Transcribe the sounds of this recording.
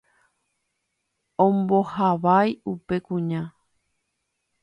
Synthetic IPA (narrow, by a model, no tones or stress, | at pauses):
õmbohaʋajupe̞kũɲã